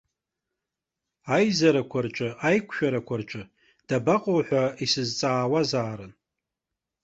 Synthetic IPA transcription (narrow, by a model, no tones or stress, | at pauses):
ajzaɾakʷʰart͡ʃʷʼɨajkʷʰʃᶣaɾakʷʰart͡ʃʼɨ | d̥abaqʼowħʷᶣaisɨzt͡sʼaːwazaːɾɨn